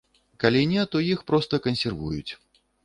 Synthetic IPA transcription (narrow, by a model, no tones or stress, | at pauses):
kalʲinʲɛt̪ɔjixpɾɔst̪ɐkɐnʲsʲɛrvujut͡sʲ